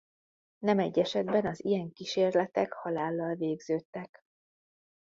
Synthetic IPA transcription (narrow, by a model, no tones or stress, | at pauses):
nɛmɛɟːɛʃɛd̪bɛnɒzijɛŋkiʃeːrlɛt̪ɛkhɒlaːlːɒlveːɡzøːt̪ːɛk